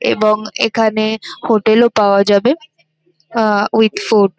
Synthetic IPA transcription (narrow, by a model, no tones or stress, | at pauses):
ḛbɔŋḛkʰanehoʈelopaad͡ʒabe | wid̪foɖ